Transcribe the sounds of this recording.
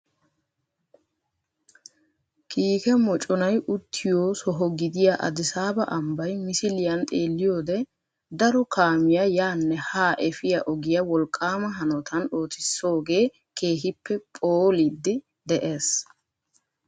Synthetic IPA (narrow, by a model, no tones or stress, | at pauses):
kʰiːkɛmɔt͡ʃʼɔnɐjʔʊt̪ʰːɪjoːsɔɦɔɡɪd̪ɪjaʔɐ̰d̪ɪsaːbɐ̰ʔɐmbɐjmɪsɪlɪjɐnt̪ʼeːlːɪjoːd̪ɛ | d̪ɐɾɔkʰaːmɪjajaːnːɛhaːʔɛfɪjɐʔɔɡɪjɐwɔlkʼːaːmɐɦɐnɔt̪ʰɐno̞ːt̪ɪsːo̞ːɡe̞ː | kʰeːɦɪpʰːɛpʼoːlid̪ːɪ | d̪ɛʔe̞ːs